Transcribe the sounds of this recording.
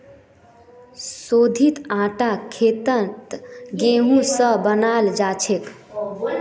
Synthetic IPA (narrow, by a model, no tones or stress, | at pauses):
sod̪ʱit̪ãʈakʰet̪ət̪ɡeɦũsəbənald͡ʒat͡ʃʰek